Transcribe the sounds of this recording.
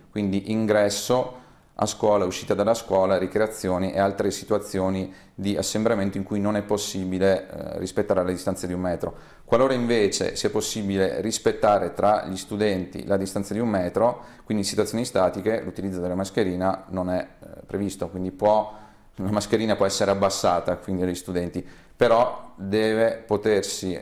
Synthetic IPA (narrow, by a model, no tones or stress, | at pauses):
kwind̪iʔiŋɡɾɛsːo | a̰skwɔːlaɛuʃːiːt̪ad̪alːaskwɔːlaɾikɾeat̪sːjoːniʔealt̪ɾesit̪uwat̪sːjoːni | d̪iasːembɾament̪oiŋkujnonɛpːosːiːbilerispet̪ːaːɾelad̪ist̪ansed̪iummɛːt̪ɾo | kwaloːɾaiɱveːt͡ʃḛsiɛpːosːiːbilerispet̪ːaːɾet̪ɾaʎist̪ud̪ɛnt̪ḭlad̪ist̪ant̪sad̪iummɛːt̪ɾokwind̪isit̪wat̪sjoːnist̪aːt̪ikelut̪ilid̪od̪elːamaskeɾiːnanonɛpːɾevist̪okwind̪ipwɔ | lamaskeɾiːnapwɔɛsːeɾeabːasːaːt̪akwind̪id̪eʎːist̪ud̪ɛnt̪i | peɾɔd̪ɛːvepot̪ersi